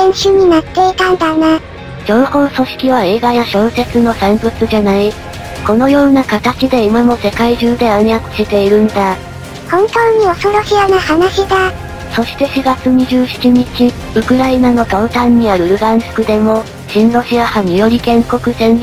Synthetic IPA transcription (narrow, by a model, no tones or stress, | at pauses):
ẽɰ̃ɕɨɲ̟inat̪ːe̞it̪ãnd̪ane | d͡ʑõ̞ɰho̞ːso̞ɕi̥kʲiβ̞ae̞ːɡajaɕo̞ːse̞t͡sɨno̞sẽmbɯ̟t͡sɨʑanai | ko̞no̞jo̞ːnakat̪at͡ɕid̪e̞imamo̞se̞kaiʑɨːd̪e̞aɲjakɯ̟̥ɕit̪e̞iɾɯ̟nd̪a | hõ̞nt̪o̞ːɲ̟io̞so̞ɾoɕianahanaɕid̪a | so̞ɕi̥t̪e̞ɕiɡat͡sɨɲ̟iʑɨːɕi̥t͡ɕiɲ̟it͡ɕi | ɯ̟kɯ̟ɾainano̞t̪aɯ̟t̪ãɲ̟ːiaɾɯ̟ɾɯ̟ɡãnso̥kɯ̟d̪e̞mo̞ | ɕĩnɾo̞ɕiahaɲ̟ijo̞ɾʲikẽ̞ŋko̞kɯ̟zẽ̞n